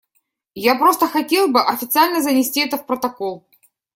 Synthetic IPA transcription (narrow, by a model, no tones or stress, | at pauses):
japɾo̞st̪əxɐtʲe̞lˠbɨʔɐfʲɪt̪sɨalʲnəzənʲɪsʲtʲiɛt̪əfpɾət̪ɐko̞lˠ